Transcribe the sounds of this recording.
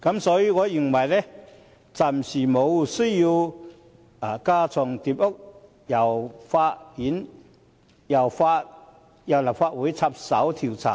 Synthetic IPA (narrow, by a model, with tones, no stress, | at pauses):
kɐ˨˧˥msɔː˨˧˦jiː˧ŋɔ˧ji˨˩ŋmɐ˨˩jlɛ˦ | t͡sa˨˩msi˨˩mo˨˧wsu˥ji˧w | a˨˩kaː˧t͡sʰɔ˨˩ŋt̪i˧p̚o˥k̚ | jɐ˨˩wfa˧tji˨˥n | jɐ˨˩wfa˧˥t̚ | ja˨˩la˨˩wfaː˧t̚wu˨˥jt͡sʰa˧p̚sɐ˨˥wt̪ʰi˨˩wt͡sʰa̰ː˨˩